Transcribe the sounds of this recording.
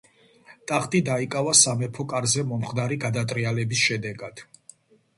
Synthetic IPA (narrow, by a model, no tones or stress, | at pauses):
t̪ʼaχt̪ʼid̪aikʼavasamɛpʰɔkʼaɾzɛmɔmχd̪aɾiɡad̪at̪ʼɾialɛbisʃɛd̪ɛɡad̪̥